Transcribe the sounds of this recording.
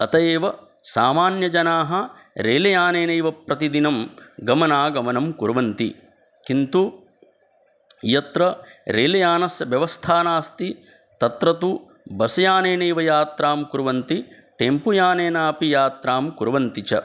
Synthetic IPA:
ɐt̪ɐjeːʋɐ | saːmaːnjɐd͡ʒɐnaːɦɐ | ɾeːlɐjaːneːneːʋɐpɾɐt̪id̪inɐmɡɐmɐnaːɡɐmɐnɐmkuɾʋɐnt̪i | kint̪u | jɐt̪ɾɐɾeːlɐjaːnɐsjʋjɐʋɐst̪ʰaːnaːst̪i | t̪ɐt̪ɾɐt̪u | bɐsɐjaːneːnejʋɐjaːt̪ɾaːmkuɾʋɐnt̪i | ʈempujaːneːnaːpijaːt̪ɾaːmkuɾʋɐnt̪it͡ʃɐ̰

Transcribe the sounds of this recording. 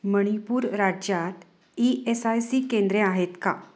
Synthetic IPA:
məɽ̃ipuːɾɾad͡ʑjat̪ | iesajsiːkẽnd̪ɾeaɦet̪ka

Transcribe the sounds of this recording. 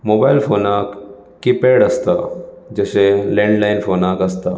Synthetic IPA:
mobajlfonak | kːipeɽəst̪a | d͡ʑəɕelẽɳɖlainfonakəst̪a

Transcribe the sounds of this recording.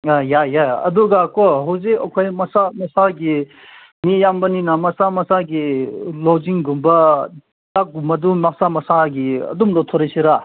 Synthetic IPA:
ajajaɐ̰d̪uɡakoɦozeʔokʰojmɐsamɐsaɡi | nijambɐninamɐsamɐsaɡilod͡ʒiŋɡumbɐ | t̪aɡumɐd̪unasamɐsaɡiə̰d̪umlot̪ʰoɾisiɾa

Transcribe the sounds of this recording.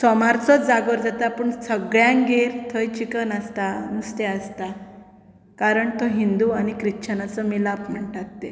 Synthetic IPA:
sɔmaɾt͡sɔt͡sd͡zaɡəɾd͡zat̪apəɳsəɡɭjãŋɡeɾt̪ʰəjt͡ɕikənəst̪anust̪eəst̪a | kaɾəɳt̪oɦind̪uañikɾiɕʰənat͡sɔmilapm̤əɳʈat̪ːe

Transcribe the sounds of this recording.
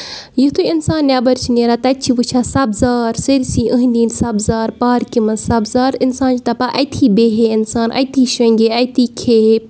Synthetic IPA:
jit̪ʰuinsaːnːʲaːbɐɾt͡ʃʰineːɾaːt̪ɐt͡ʃʰiʋut͡ʃʰaːsɐbzaːɾseɾisiːʔəɦnd̪iːnsɐbzaːɾpaːɾkimɐsɐbzaːɾinsãːnt͡ʃit̪ɐpaʔɐjt̪ʰiːbeːɦeinsaːnʔɐ̰jt̪ʰiːʃɐ̃ŋɡeɐjt̪iːkʰeː

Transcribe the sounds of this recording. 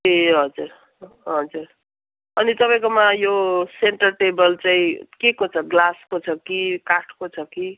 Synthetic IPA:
eɦʌd͡zuɾ | ɦʌd͡zuɾ | ʌnit̪ʌpaj̃komajoseɳʈʌrʈebʌlt͡saĩkekot͡sʰʌɡlaskot͡sʰʌkikaʈʰkot͡sʰʌki

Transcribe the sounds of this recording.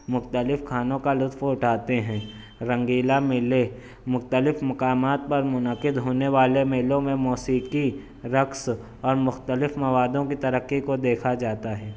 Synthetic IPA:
mʊxt̪əlɪfkʰaːnõkalʊt̪fʊʈʰaːt̪eɦɛ̃ː | ɾɐ̃ŋɡiːlamɪle | mʊxt̪əlɪfmɐkaːmaːt̪̚pɐɾmʊnəqɪd̪ɦoːneʋaːlemeːlõmẽmɔːsiːki | ɾɐks | ɔːɾmʊxt̪əlɪfmɐʋaːd̪õkit̪ɐɾəkːikod̪eːkʰad͡ʒaːt̪aɦɛː

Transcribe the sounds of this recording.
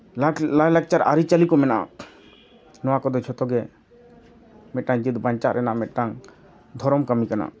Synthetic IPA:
llalak̚t͡ʃaɾa̰ɾit͡ʃalikɔmɛna̰ | nɔwakɔd̪ɔt͡ʃʰɔt̪ɔɡɛ | mɛʈaŋd͡ʒid̪baɲt͡ʃaɾɛnamɛʈaŋ | d̪ʱɔɾɔmkəmikana̰

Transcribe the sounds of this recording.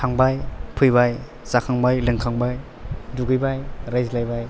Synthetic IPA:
tʰaŋbajpʰɯjbaj | zakʰaŋbajlɯŋkʰaŋbaj | duɡɯjbajɾajzlajbaj

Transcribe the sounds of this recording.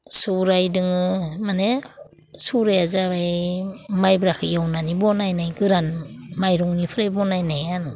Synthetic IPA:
suɾajdɯŋɯmane | suɾajazaβajmajbɾakʰɯjawnanibɔnajnajɡɯɾanmajɾɔŋnipʰɯɾajbɔnajnajan

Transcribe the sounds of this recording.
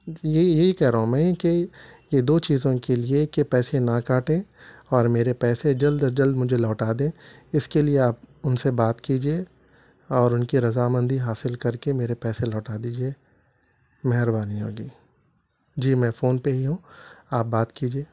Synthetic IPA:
jejeɦikɛɦɾaɦũmɛ̃ːkejed̪oːt͡ʃiːzõkeliekepɛːsẽnakaːʈẽɔːɾmeːɾepɛːsed͡ʒɐld̪d͡ʒɐld̪mʊd͡ʒʱelɔːʈaːd̪ẽːɪskelieaːpʊnsebaːt̪kiːd͡ʒieː | ɔːɾʊnkiɾɐzaːmə̃nd̪ʱiɦaːsɪlkɐɾkemeːɾepɛːselɔːʈaːd̪iːd͡ʒie | mɛɦɾbaːniɦoːɡiː | d͡ʒiːmɛ̃ːfoːnpeɦiɦũːaːp̚baːt̪kiːd͡ʒieː

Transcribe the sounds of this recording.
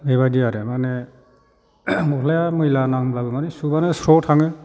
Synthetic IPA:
beβadiaɾemane | mɔkʰlajamɯjlanaŋblabɯmanisubanɯsɾɔtʰaŋɯ

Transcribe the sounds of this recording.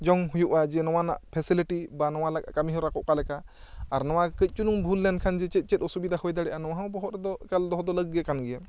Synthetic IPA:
d͡ʒɔŋɦujuʔad͡ʒɛnɔw̃ana̰ʔpʰɛsiliʈibanɔw̃alaka̰kamiɦɔɾakɔʔkalɛkaː | ɾnɔw̃akəc̚ˀt͡ʃunuŋbʱulːɛnkʰand͡ʒɛt͡ʃɛt̪̚ˀt͡ʃɛt̚ɔsubid̪ahɔjd̪aɽɛʔanɔw̃aɦãwbɔɦɔɾɛd̪ɔkald̪ɔɦɔd̪ɔləɡːɛkanɡɛja

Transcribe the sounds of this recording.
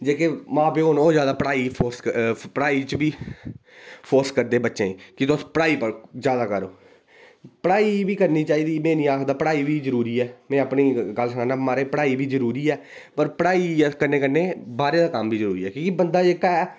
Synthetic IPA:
d͡ʒeːkeːmãːpeːoːnoːzjaːd̪aːpəɽaːiːpʰoːɾskpəɽaːiːt͡ʃbiː | pʰoːɾskəɾd̪eːbətːʃẽːkɪt̪ʊspəɽaːiːpəzjaːd̪aːkəɾo̰ː | pəɽaːiːbiːkəɾniːt͡ʃaːiːd̪iːmɛ̃ːnĩːaːkd̪aːpəɽaːiːbiːzəɾuːɾiːɛːmɛ̃ːəpniːɡəlsənaːnãːmaːɾeːpəɽaːiːbʱiːzəɾuːɾiːɛː | pəɾpəɽaːiːkənẽːkənːẽːbaːɾeːd̪aːkəmbiːzəɾuːɾiːɛːkõːkibənd̪aːeːkaɛː

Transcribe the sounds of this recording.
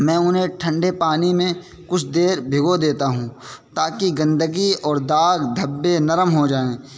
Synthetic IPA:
mɛ̃ːʊnɦẽʈʰə̃ɳɖepaːnimẽ | kʊt͡ʃʰd̪eːɾbʱɪɡod̪eːt̪aɦũːt̪aːkiɡɐ̃nd̪əɡiɔːɾd̪aːɡd̪ʱɐbːenɐɾəmɦod͡ʒaːẽː

